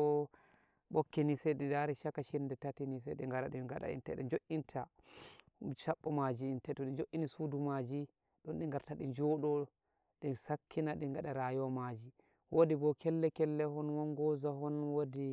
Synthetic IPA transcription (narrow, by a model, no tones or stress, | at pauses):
ɔ | ɓɔkːinisɛjɗɛdaɾiʃakaʃindɛtatinis̬ɛ̰ɗɛ̰ŋɡaɾaɗiŋɡaɗa̰ḭntɛ̰ɗɛ̰nd͡ʒoʔintʰa | ʃaɓːɔmad͡ʒiːntɛtɔɗind͡ʒoʔːinisudumad͡ʒi | ɗɔnɗiŋɡaɾtaɗid͡ʒɔɗɔ | ɗisakʰːinaɗiŋɡaɗaɾajɔmad͡ʒi | wʔodibɔkʰɛlːɛkɛlːɛhɔnwɔnɡɔzaɦɔnwodi